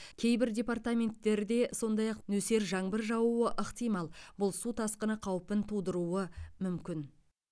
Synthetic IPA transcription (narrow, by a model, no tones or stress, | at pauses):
kʲʰe̞jbɪɾdʲe̞part̪amʲe̞nt̪ːe̞ɾd̪e̞so̞nd̪ɑjɑqnɵse̞ɾʒɑɴbəɾʒɑwuəʔəqt̪ijmɑlˠbʊlˠsut̪ʰɑsqənəqʰɑwpənt̪ʰud̪əɾuwəmʏmkʲɪn